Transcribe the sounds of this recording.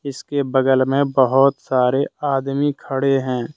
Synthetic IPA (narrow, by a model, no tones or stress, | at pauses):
ɪskebəɡəlmẽbəɦʊt̪saːɾeaːd̪mikʰəɽeɦɛ̃ː